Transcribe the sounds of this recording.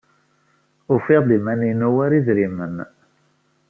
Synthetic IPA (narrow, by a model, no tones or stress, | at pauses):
ʊfɪʁd̪imæninuwæɾiðɾimən